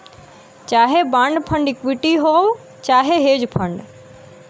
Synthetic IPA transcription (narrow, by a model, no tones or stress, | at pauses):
t͡ʃaːɦebãːɳɖpʰə̃ɳɖɪkʋɪʈiɦoː | t͡ʃaːɦeɦeːd͡ʒpʰəɳɖ